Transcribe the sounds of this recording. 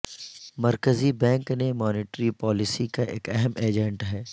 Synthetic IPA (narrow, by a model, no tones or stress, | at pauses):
mɐɾkəzibɛ̃ːŋknemɔːnɪːʈɾipɔːlɪsikaʔḛːkɛɦɛmeːd͡ʒɛ̃ɳʈɦɛː